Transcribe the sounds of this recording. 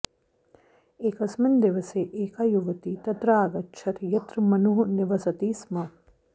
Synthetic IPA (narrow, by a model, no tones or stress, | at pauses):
eːkɐsmɐnd̪ɪʋɐseːʔeːkaːjuʋɐt̪it̪ɐt̪ɾaːɡɐt͡ʃʰɐt̪jɐt̪ɾmɐnuɦunɪʋɐsɐt̪iːsmɐ